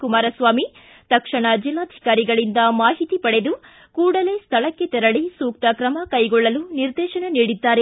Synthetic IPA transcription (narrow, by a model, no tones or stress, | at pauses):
kumaːɾɐsʋaːmi | t̪ɐkʂɐɳɐd͡ʒilːaːd̪ʱi̥kaːɾiɡɐɭind̪ɐmaːɦit̪ipɐɽed̪u | kuːɽɐle̞ːst̪ʰɐɭɐkːe̞t̪ɛɾɐɭisuːk̚t̪ɐkɾɐmɐkɐjɡɔɭːɐluniɾd̪ɛːʃɐnɐniːɽid̪ːaːɾe̞